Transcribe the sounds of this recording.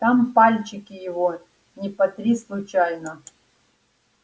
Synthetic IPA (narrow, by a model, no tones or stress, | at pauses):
t̪ampalʲt͡ɕɪkʲɪjɪvo | nʲɪpɐt̪ɾʲislˠʊt͡ɕajnə